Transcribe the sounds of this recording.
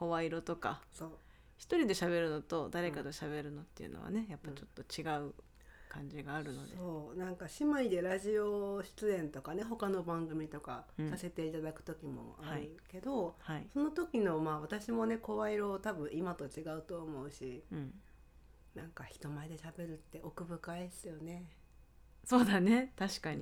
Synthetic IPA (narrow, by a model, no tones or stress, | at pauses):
ko̞βaiɾo̞t̪o̞ka̰so̞ː | çi̥t̪o̞ɾʲid̪e̞ɕaβe̞ɾɯ̟no̞t̪o̞d̪aɾe̞kad̪oɕaβe̞ɾɯ̟no̞t̪ːeiɯ̟̰no̞̰βa̰ne̞japːat͡ɕo̞t̪ːo̞t͡ɕiɡaɯ̟ | kãɲ̟d͡ʑiɡaːɾɯ̟no̞̰d̪seo̞ːnãŋkaɕimaid̪e̞ɾaʑio̞ɕi̥t͡sɨẽ̞nt̪o̞kane̞ɦo̞kano̞bãŋɡɯ̟mʲit̪o̞kasase̞t̪e̞it̪ad̪akɯ̟̥t̪o̞kʲimo̰aɾɯ̟ke̞d̪o̞haiso̞no̞t̪o̞kʲino̞maːβat̪aɕimo̞ne̞ko̞βaiɾo̞ːt̪abɯ̟̃ɰ̃imat̪o̞t͡ɕiɡaɯ̟t̪o̞ːmo̞ɯ̟ɕĩ | nãŋkaçi̥t̪o̞maed̪e̞ɕabe̞ɾɯ̟t̪ːe̞ʔo̞kɯ̟bɯ̟kaesɨjo̞ne̞ | so̞ːd̪ane̞t̪aɕi̥kaɲi